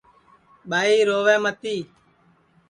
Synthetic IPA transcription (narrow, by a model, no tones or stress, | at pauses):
ɓaːiːɾoːʋẽːmət̪iː